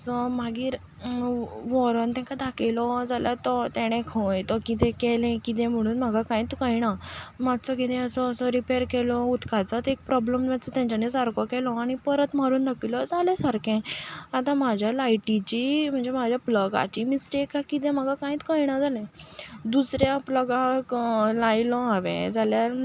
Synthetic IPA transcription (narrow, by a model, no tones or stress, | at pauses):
sɔmaɡiːɾ | ʋɔɾənt̪ɛ̃ŋkad̪ʱakelɔd͡zaljat̪ɔt̪ɛɽ̃ɛ̃kʰojt̪ɔkit̪ɛ̃kɛlɛ̃kit̪̬ɛ̃m̤əɽ̃uːnm̤aɡʱakãĩːt̪kəjɽ̃amad̪t͡sɔkit̪ɛ̃əsɔːsɔɾipeɾkɛlɔut̪kʰat͡sat̪ek̚pɾɔbləmmat͡sɔt̪jãɲt͡ɕanesaɾkɔkɛlɔ̃aɽ̃ipəɾət̪maɾuːnd̪akilɔd͡zalɛsaɾkɛ̃at̪ãm̤ad͡ʑʱjalajʈit͡ɕim̤əɳd͡zem̤ad͡ʑʱjapləɡa̰t͡ɕiːmisʈekakit̪̬ɛ̃m̤aɡʱakãĩːt̪kəjɽ̃ad͡zalɛ̃d̪usɾjapləɡãklajlɔ̃ɦaʋɛ̰̃d͡zaljaɾ